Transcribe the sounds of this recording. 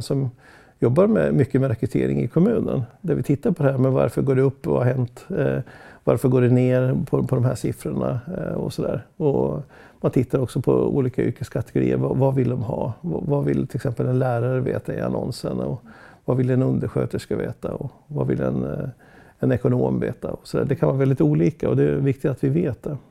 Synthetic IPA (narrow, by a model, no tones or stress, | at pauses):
sɔm | jɔbːaɾmɛmʏkːəmɛɾɛkɾɵt̪ʰeːɾɪŋɪkʰɔmʉ̟ːnənd̪æɾvɪt̪ʰɪt̪ːaɾpʰɔd̪ɛhæːɾmɛva̰ɾfœɡoːɖɛɵpːvahaɦɛnt̪ | va̰ɾfœɡoːɖɛneːɾpʰɔpʰɔd̪ɔmhæʂɪfɾʊɳaɔsɔd̪æːɾɔ | mant̪ʰɪt̪ːaɾɔksɔpʰɔṵːliːkaʏ̰ɾkəskʰat̪ɛɡʊɾḭːəɾvavavɪld̪ɔmɦɑːvvavɪlt̪ʰɪlɛksɛmpəlɛnlæːɾaɾəvḛːt̪aɪa̰nɔnsənɔvavɪlːɛnɵnd̪əɾɧøːt̪əʂkaveːt̪aɔ | vavɪlɛ̰n | ɛnɛkʊnoːmvḛːt̪aɔsɔd̪æːɖɛkʰanvɑːɾavɛlɪt̪uːliːkaɔd̪ɛːvɪk̚t̪ɪt̪at̪vɪveːt̪̚d̪ɛ